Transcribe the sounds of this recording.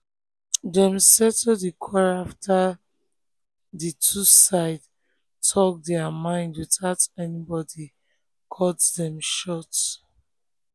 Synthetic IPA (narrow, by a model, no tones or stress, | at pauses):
dɛ̃msɛtɛdikʰɔɹaftʰa | ditʰusaɪd | tʰɔk̚dɛamãɪ̃ndwiθaʊtɛnibɔdi | kʰɔtdɛ̃mʃɔt